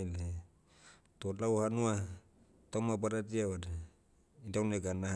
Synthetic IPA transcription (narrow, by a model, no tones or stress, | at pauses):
l | t̪otlauhanua | t̪omapaɾat̬iawada | idaunekana